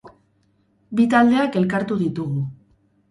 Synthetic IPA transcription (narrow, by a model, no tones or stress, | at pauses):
bit̪ald̪e̞ake̞lkaɾt̪uðit̪uɣu